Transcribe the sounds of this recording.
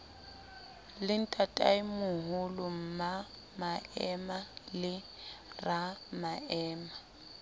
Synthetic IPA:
lɪn̩tʼatʼaimʊɦʊlʊm̩ma | maɛmalɪ | ramaɛːma

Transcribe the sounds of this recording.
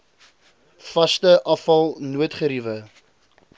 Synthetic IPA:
fɐstəʔɐfɐlˠnuətχəɾivə

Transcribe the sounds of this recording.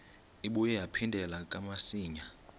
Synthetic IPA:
iɓujɛjapʰindʱɛlak̬ʼamasiːɲa

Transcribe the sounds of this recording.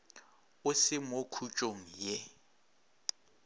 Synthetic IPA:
ʊsɪmokʰut͡ʃʼoŋ̩je

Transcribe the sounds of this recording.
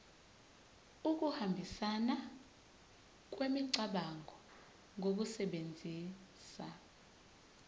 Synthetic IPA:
uk̬uhambʱisana | k̬ʼwemiǀaɓaŋʱɔ | ŋʱok̬usɛɓend͡zʱiːsa

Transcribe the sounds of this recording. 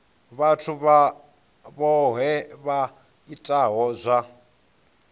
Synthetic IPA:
βatʰuβa | βɔɦɛβa | itʼaɦɔzʷa

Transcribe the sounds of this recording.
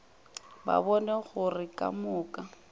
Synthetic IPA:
ba̰bɔnɛɣʊrɪkʼa̰mʊːkʼa

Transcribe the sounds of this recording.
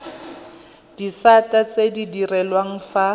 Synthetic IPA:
d̥isatat͡sedidirɛlwaŋ̩fa

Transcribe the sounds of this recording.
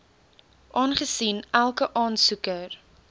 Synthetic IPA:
ʔɑːnχəsinælˠkəʔɑːnsukər

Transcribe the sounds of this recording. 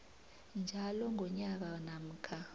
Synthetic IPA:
nd͡ʒʱalɔŋʱɔɲak̬anam̩ːkʰa

